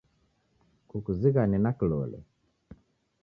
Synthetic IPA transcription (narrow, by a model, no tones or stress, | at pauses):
kukuziɣaninakilɔ̰lɛ̰